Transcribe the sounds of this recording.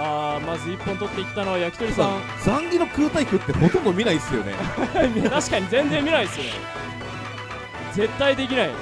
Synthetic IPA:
aːmazɨipːõ̞nt̪o̞t̪ːe̞ikʲi̥t̪ano̞βajakʲi̥t̪o̞ɾʲisã | d͡zãŋɡʲinokɯːt̪aikɯ̟t̪ːe̞ho̞t̪õnd̪omʲinaisɨjo̞̰nḛmʲit̪aɕi̥kaɲ̟izẽ̞nzẽ̞mːʲinaisɨone | ze̞t̪ːaid̪e̞kʲinai

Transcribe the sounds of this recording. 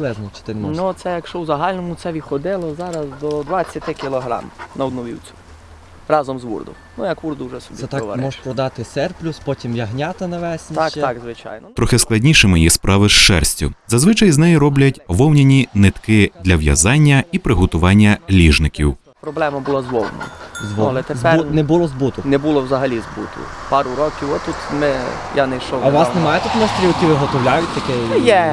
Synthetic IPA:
lˠɛznɔt͡ʃɪ̥t̪ɪnmnusɛjɐkʃt͡ʃɔwzɐɦɑlʲnɔmʊt̪sɛʋʲid̪xɔd̪ɪlˠɔzɑɾɐzd̪ɔd̪ʋat͡sʲːɐt̪ɪkʲɪlˠɔɦɾɑ̰mnɐɔd̪nɔʋʲḭwt͡sʲʊ̥ | rɑzɔmzʋṵrd̪ʊ̰ | nujɐkʋurd̪ʊwʒɛsɔb̪ʲiɛt̪ɑʋa̰ɾmɔʒpɾɔd̪ɑt̪ɪsɛrplʲuspɔtʲimjɐɦnʲɑt̪ɐnɐʋɛsʲnʲit̪ɑkzʋɪt͡ʃɑ̰jnɔt̪ɾɔxɪsklˠɐdʲnʲiʃɪmɪjispɾʔɑʋɪʃt͡ʃɛ̰rsʲtʲʊ̰zɐzʋɪt͡ʃɐjznɛjiɾɔblʲɐtʲʋɔwnʲenʲinɪt̪kɪd̪lʲɐwjɐ̰zɑnʲːɐipɾɪɦɔt̪ʊʋɑnʲːɐlʲiʒnɪkʲḭw | pɾɔblˠɛmɐbʊlˠɑzʋɔlˠnɔ̰mzʋɔlˠɛt̪ezɛnɛbʊlˠɔzbut̪ʊnɛbulˠɔwzɐɦɐlʲizbṵt̪ʊ̰pɑɾʊɾɔkʲiwɔt̪ːut̪mɪjanɛjʃɔɐʋɑsnemɑjɛt̪ut̪nɔst̪ɾʲilˠkʲiʋɪɦɔt̪ɔʋlʲajʊt̚ʲt̪ɐkɛjɛ

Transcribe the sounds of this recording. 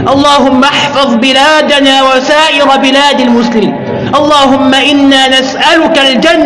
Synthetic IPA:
ʔɑlˤːɑːɦʊmːaʔɑħfɑðˤbɪlaːd̪anaːwasaːʔɪɾbɪlaːd̪almʊslɪmḭːn | ʔɑlˤːɑːɦʊmːaʔɪnːaːnasʔalʊkald͡ʒanː

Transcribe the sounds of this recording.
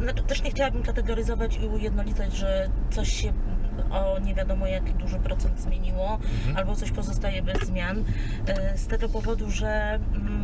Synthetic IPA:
znat͡ʂɘ̥t̪ɛʂɲɛxt͡ɕawabɘmkat̪ɛɡɔɾɘzɔvat͡ɕiujɛd̪nɔlʲit̪ad͡ʑʐɛt̪sɔɕɕɛɔɲɛvʲjad̪ɔmɔjakʲid̪uʐɘpɾɔt̪sɛnd̪zmʲjeɲiwɔalbɔt̪sɔɕpɔzɔst̪ajɛbɛzːmʲjan | st̪ɛɡɔpɔvɔd̪uʐɛ

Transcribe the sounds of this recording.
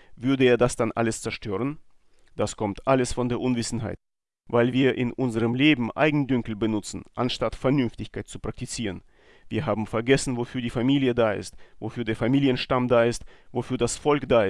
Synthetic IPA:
vʏɐdəeːɐdasd̥anʔa̰ləst͡sɛɐʃtʰøːʁ̞ən | d̥askʰɔmtʔaləsfɔndeːɐʔʊnvɪsn̩ɦa̰ɪt | vaɪlviːɐʔɪnʔʊnzəʁəmleːbm̩ʔa̰ɪɡŋ̩dʏŋkl̩bənʊt͡sn̩ʔa̰nʃtatfɛɐnʏnftɪçkʰaɪt̚t͡supʁ̥ak̚tit͡siːʁən | viːɐɦaːbm̩fɛɐɡɛsn̩vofyːɐdiːfamiːljədaːɪ̰stvofyːɐdeːɐfamiːljənʃtamdaːɪstvofyːɐdasfɔlkd̥aːɪ

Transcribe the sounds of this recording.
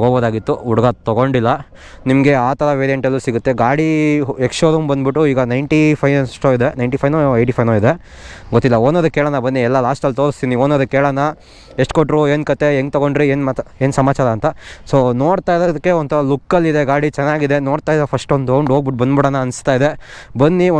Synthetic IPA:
ɡoboːd̪aːɡit̪ːuuɽɐɡɐt̪ɔɡoɳɖilːɐ | nimɡe̞aːt̪ɐɾɐʋeːɾijeɳʈɐlːusiɡut̪ːe̞ɡaːɽiekʂoːɾumbɐnd̪biʈːuiːɡɐnɐjɳʈipʰɐjʂʈoid̪e̞nɐjɳʈipʰɐjnoɐjʈipʰɐjnoːid̪e | ɡot̪ːilːɐoːnoːd̪ɐkːeːɭɐnːɐbɐnːiɛlːɐlaːsʈɐlt̪oːɾst̪inioːnod̪ɐkːeːɭɐnːɐ | eʂʈ̚koʈɾue̞ːnkɐt̪e̞eŋɡt̪ɐɡo̞ɳɖɾieːnmat̪eːnsɐmaːt͡ʃaːɾɐːnt̪ɐsoːnoːɽt̪aːjɾod̪ɐkːeont̪ɐɾɐlukːɐlːid̪e̞ɡaːɽit͡ʃɛnːaːɡid̪e̞no̞ːɽt̪aːjd̪ɐpʰɐsʈond̪oɳɖoːɡbiʈ̚bɐnd̪biɽɐnːɐɐnst̪aːjid̪e̞ | bɐnːi

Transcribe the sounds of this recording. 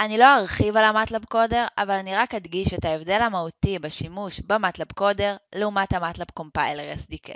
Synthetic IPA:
ʔanilo̞aʁχivalamatlapko̞de̞ʁa̰valaniʁakhadɡiʃethaevdelamahutibaʃimuʃbamatlapko̞deʁleumathamatlap̚ko̞mpajleʁesdikḛ

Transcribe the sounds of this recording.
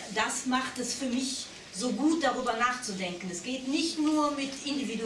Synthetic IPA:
d̥asmaχtɛsfyːɐmɪç | zoːɡuːt̚d̥aʁ̞yːbɐnaːχt͡sudɛŋkən̩ɛsɡ̥eːtnɪçtnuːɐmɪtʰɪndividu

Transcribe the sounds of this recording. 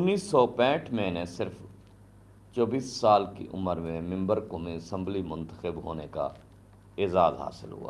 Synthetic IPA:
ʊnːiːsːɔpɛ̃ːʈʰmẽnẽsɪɾf | t͡ʃɔːbiːsːaːlkḭʔʊ̰məɾmẽmɪ̃mbəɾkomĩsə̃mblimʊ̃nt̪əxəbɦo̰ːneka̰ | eːzaːzɦa̰ːsɪ̰lɦṵa̰ː

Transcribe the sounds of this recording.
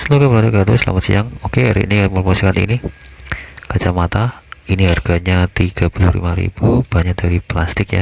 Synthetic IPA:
səlokaməlat̪ukat̪usla̰mat̪sḭaŋokeɾḭnimərmosikat̪ḭni | kat͡ʃamat̪ainiɦarɡ̥aɲat̪iɡ̥abulṵɾḭmaɾḭb̥ub̥aɲak̚daɾiplast̪ɪkja̰

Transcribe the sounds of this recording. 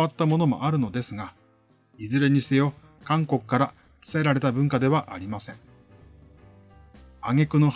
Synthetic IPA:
at̪ːamo̞no̞mo̞̰ʔaɾɯ̟no̞d̪e̞sɨɡa | izɨɾe̞ɲ̟isejo̞ | kãŋko̞kɯ̥kːaɾḁ | t͡sɨ̥t̪ae̞ɾaɾe̞t̪abɯ̟̃ŋkad̪e̞βaʔaɾʲimasẽ̞ŋ | aŋe̞kɯ̟no̞h

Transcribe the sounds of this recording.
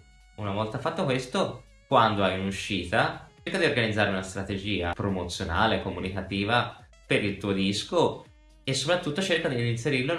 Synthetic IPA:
unavɔlt̪afːat̪ːokwest̪o | kwand̪oajunuʃːiːt̪a | rkad̪iorɡanid̪zːaːɾeunast̪ɾat̪ed͡ʒiːa̰pɾomot̪sːjona̰ːlekːomunikat̪iːva | peɾilt̪uːod̪isko | esːopɾat̪ːut̪ːot͡ʃerkad̪iinseɾirlo

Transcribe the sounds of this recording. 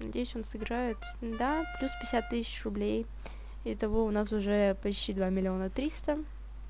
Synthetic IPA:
nɐdʲejʏsʲonsɨɡɾajʊt̪ | d̪aplʲuspʲɪ̥ɪsʲat̪ːɨsʲɪ̥t͡ɕrʊblʲej | d̪ʲət̪ɐvo̞ʊnasʊʐɛpɐt͡ɕtʲid̪vamʲɪlʲɪo̞nət̪ɾʲist̪ə

